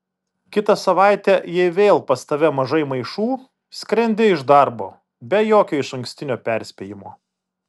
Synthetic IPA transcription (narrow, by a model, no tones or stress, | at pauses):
kʲɪt̪ɐsɐʋɑˑɪt̪ʲɛjɛɪʋʲeːlˠpɐst̪ɐʋʲɛmɐʒɐɪmɐɪʃuː | sʲkɾʲɛnʲd̪ʲɪɪʒd̪ɑɾboː | bʲɛjoːkʲoːɪʃɐŋʲksʲt̪ʲɪnʲoːpʲɛɾʲsʲpʲeːjɪmoː